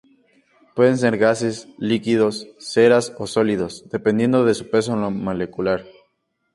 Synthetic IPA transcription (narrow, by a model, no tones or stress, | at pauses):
pwe̞ðe̞ns̬e̞ɾɣaseslikiðo̞sːeɾaso̞so̞liðo̞sðe̞pend̪je̞nd̪oðe̞su̥pe̞s̬onlomole̞kulaɾ